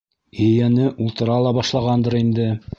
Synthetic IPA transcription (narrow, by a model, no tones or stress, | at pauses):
ɵ̆jænɘʔulˠt̪ɤ̆ɾɑlˠɑbɑʃlˠɑʁɑnd̪ɤɾind̪ɘ